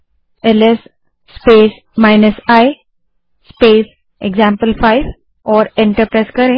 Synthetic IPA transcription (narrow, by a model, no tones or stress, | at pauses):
elesː | peːs | majnəsaj | speːs | eɡzãmpəlfajʋ | ɔːɾẽɳʈəɾpɾajskəɾẽ